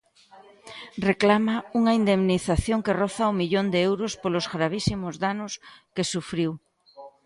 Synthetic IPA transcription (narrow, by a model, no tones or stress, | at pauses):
reklamauŋaind̪emniθaθjoŋkerɔθaumiʎond̪eɛewɾʊspolozɣɾaβ̞isimʊzðanʊskesufɾiw